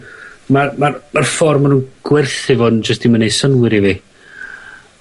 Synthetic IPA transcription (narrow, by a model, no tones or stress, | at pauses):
mamarmarfɔrmənunɡ̥wɪrθɪvɔnd͡ʒəsd̥imənejsənwɪɾivi